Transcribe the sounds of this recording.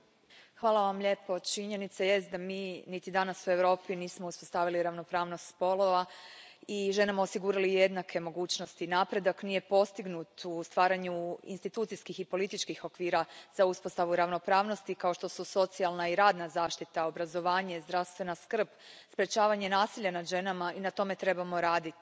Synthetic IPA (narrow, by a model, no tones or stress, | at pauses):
xʋaːlaʋamʎe̞po̞t͡ʃiɲe̞nit̪saje̞st̪̚d̪amiːnit̪id̪anasue̞ʋɾo̞ːpiniːsmouspo̞st̪aʋiliɾaʋno̞pɾaːʋnost̪spo̞lo̞ʋaiʒe̞namaosiɡuːɾalije̞d̪nakʰe̞mo̞ɡuːt͡ɕno̞st̪inaːpɾe̞d̪aknije̞po̞st̪iɡnut̪ust̪ʋaːɾaɲuḭnst̪it̪uːt̪siskixipo̞lit̪it͡ʃkixo̞kʋiːɾazauspost̪aʋuɾaʋno̞pɾaːʋno̞st̪ikao̞ʃt̪o̞suso̞t̪sialˠnaiɾaːd̪nazaːʃt̪it̪aobɾazo̞ʋaːɲezd̪ɾaʋst̪ʋe̞naskr̩bspɾet͡ʃaːʋaɲe̞naːsiʎanad̪ʒe̞namainat̪o̞me̞t̪ɾe̞bamo̞ɾaːd̪it̪i